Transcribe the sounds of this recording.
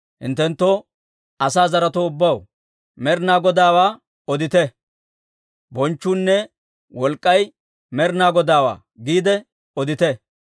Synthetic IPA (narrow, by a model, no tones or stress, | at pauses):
hɪ̰nt̪ːɛnt̪ːoː | ɐsaːzɐɾɐt̪oʊbːɐw | mɛɾnaːɡɔd̪aːwaː | ɔd̪ɪt̪ɛ | bɔnt͡ʃːuːnːɛ | wɔlkʼːɐj | mɛɾnaːɡɔd̪aːwa̰ː | ɡiːd̪ɛ | ɔd̪ɪt̪ɛ